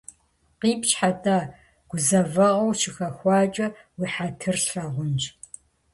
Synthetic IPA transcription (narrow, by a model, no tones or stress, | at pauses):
qiːpʃħatʼaː | ɡ̥ʷʊzɐvɐʁɐwʃɪxɐxʷɑːt͡ʃʼɐ | wiːħatʰɨrɬɐʁʷʊnt͡ʃ